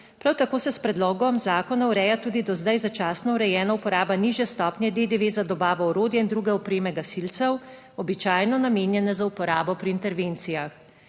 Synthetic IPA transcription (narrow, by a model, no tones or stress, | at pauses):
pɾawt̪akoːsɛspɾɛd̪lɔːɡɔmzaːkɔnauɾɛːjat̪uːd̪id̪ɔzd̪ajzat͡ʃaːsnɔuɾɛjɛːnaupɔɾaːbaniʒjɛst̪ɔpnjɛd̪ed̪eʋeːzad̪ɔbaːʋɔɔɾoːd̪jɛind̪ɾuɡɛɔpɾeːmɛɡasilt̪sɛw | ɔbit͡ʃaːjnɔnameːnjɛnɛzaupɔɾaːbɔpɾiːnt̪ɛɾʋeːnt̪sijax